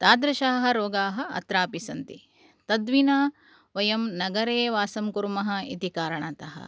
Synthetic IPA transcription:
t̪aːd̪ɾɐʃaːɦɐ̆ɾoːɡaːɦɐ̆ɐ̰t̪ɾaːpisɐnt̪i | t̪ɐd̪ʋinaː | ʋɐjɐmnɐɡɐɾeːʋaːsɐmkuɾmɐɦɐ̆it̪ikaːɾɐɳɐt̪ɐɦɐ̰

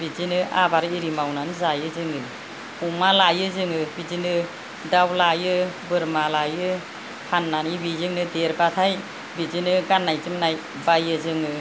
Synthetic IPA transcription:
bizinɯʔabaɾiɾimawnanzajɯzɯŋɯ | umalajɯzɯŋɯbizinɯ | dawlajɯbɯɾmalajɯ | hanːanibizɯŋnɯdeɾbatʰaj | bizinɯɡanːajzɯmnaj | bajɯzɯŋɯ

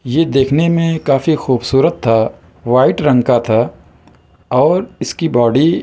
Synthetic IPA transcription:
jed̪eːkʰnemẽkaːfixuːbsuːɾət̪ʰːa | ʋaːɪʈɾɐ̃ŋɡkat̪ʰa | ɔːɾɪskibɔːɽi

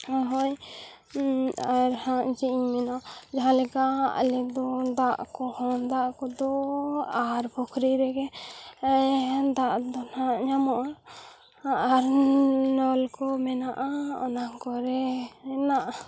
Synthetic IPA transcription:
ɦɔj | aɾhãʔd͡ʒiʔiɲmɛnaʔd͡ʒaɦãlɛkaʔlɛd̪ɔd̪aʔkɔhɔnd̪aʔkɔd̪ɔaɾbɔkʰɾiɾɛɡɛ | d̪aʔd̪ɔnãʔɲamɔʔɾ | ʔaɾnɔlkɔmɛnaʔaɔ̰naŋkɔɾɛɛnaʔ

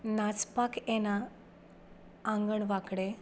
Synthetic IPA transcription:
nat͡spakʰɛna | ŋɡəɳʋakɽe

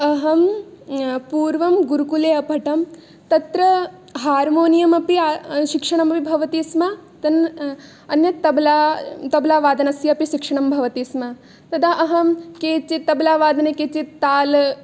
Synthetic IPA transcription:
ɐɦɐm | puːɾʋɐmɡuɾukuleːɐpɐʈɐm | t̪ɐt̪ɾɐ | ɦaːɾmoːnijɐmɐpiaʃikʂɐɳ̃ɐmɐpibʱɐʋɐt̪iːsmaːt̪ɐn | ɐnjɐt̪ɐblat̪ɐblaːʋaːd̪ɐnɐsjɐɐpiʃikʂɐɳ̃ɐmbʱɐʋɐt̪iːsma | t̪ɐd̪aʔɐɦɐmkeːt͡ʃit̪ɐblaːʋaːd̪ɐnekeːt͡ʃit̪aːl

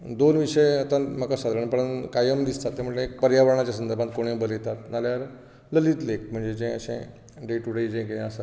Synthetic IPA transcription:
d̪onʋiʂəjət̪ãmakasad̪ʱɾəɳpəɽənkajəmd̪ist̪at̪ːem̤əʈlẽk̚pəɾjaʋəɾɳ̃at͡ɕjasənd̪əɾbʱãt̪̚koɽ̃ẽbəlet̪at̪naljaɾ | ləliːt̪lek̚m̤əɳd͡zed͡ʑẽəɕḛ̃ | ɖeʈuɽeid͡ʑẽkinẽasa

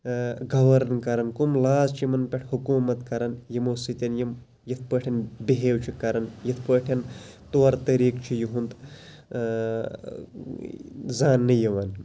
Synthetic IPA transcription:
ɡɐʋɐɾɐnkɐɾɐnkumlaːzt͡ʃʰimɐnpʲeʈʰʲhukuːmɐt̪kɐɾɐnjimosit̪ʲɐnjim | jɐt̪ʰpəʈʰʲɐnbiɦeːwt͡ʃʰikɐɾɐnjɐt̪ʰpəʈʰɐn | t̪oɐɾt̪ɐɾiːkt͡ʃʰijiɦunt̪ | zaːnːɨjɐʋɐn

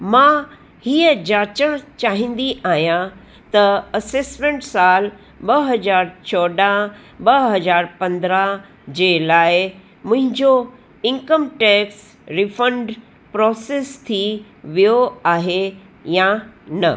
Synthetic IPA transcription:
mãː | hiːəd͡ʑaːt͡ɕəɽ̃t͡ɕaːɦĩnd̪iʔaːɦijã | t̪ɐɐseːsmẽɳʈsaːl | ɓɐɦɐd͡ʑaːɾt͡ɕʰɔːɖa | ɓɐɦɐd͡ʑaːɾpɐ̃nd̪ɾa | d͡ʑeːlaːɪ | mʊ̃ɦɪ̃ɲd͡ʑo | ɪ̃ŋkəmʈɛːks | ɾifə̃ɳɖ | pɾɔːseːst̪ʰi | ʋijoaːɦe | jãnɐ

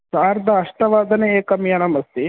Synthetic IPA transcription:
saːɾd̪ɐːʂʈɐʋaːd̪ʱɐneeːkɐmjɐnɐmɐst̪i

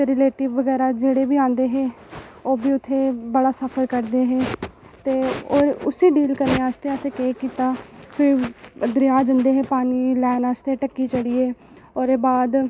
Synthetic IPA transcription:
ɾɪleːʈɪːbʋəɡɛːɾaːd͡ʒeːɽeːbiːãːnd̪eːɦeː | oːbiːʊt̪ʰːeːbəɽaːsəpʰəɾkəɾd̪eːɦeː | t̪eːoːɾʊsiːɖiːlkəɾneːaːst̪eːəseːkeːkiːt̪aːpʰɪɾd̪ɾɪjaːd͡ʒənd̪eːɦeːpaːniːlɛːnaːst̪eːʈəkːiːt͡ʃəɽiːeː | oːɾeːbaːd̪

